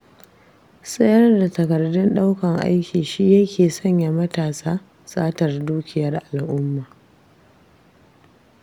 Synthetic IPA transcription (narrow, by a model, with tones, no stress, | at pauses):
sʼɐ˦jɐ˦rda˨tɐ˨kɐ˨rdʊ˦nɗa˦wkɐ˨ŋʔa̰˦jkʲiː˨ʃi˦jɐ˦kʲeː˨sɐ˦˨ɲja˨mɐ˦taː˨saː˦ | sʼaː˦tɐ˨rduː˦kʲɪ˨jɐ˦rʔa˨lʔʊ˦mːaː˨